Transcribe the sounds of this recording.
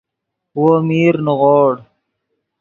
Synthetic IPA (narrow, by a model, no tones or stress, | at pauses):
womiːɾnuɣoːɽ